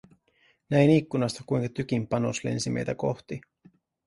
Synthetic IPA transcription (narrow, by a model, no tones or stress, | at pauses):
næjnikːunɑst̪ɑkujŋkɑt̪yk̟impɑno̞sle̞̰nsimḛjt̪æko̞ht̪i